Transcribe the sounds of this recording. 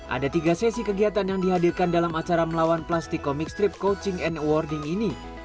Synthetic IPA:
ʔa̰dat̪iɡasɛsikəɡiat̪anjaŋdiɦadirkandalamat͡ʃaɾaməlawanplast̪ikːɔmik̚st̪ɾip̚kot͡ʃɪŋɛnwɔrdɪŋini

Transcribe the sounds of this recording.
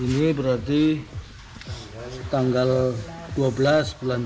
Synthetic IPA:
inibəɾart̪i | t̪aŋɡald̥uabəlasbulan

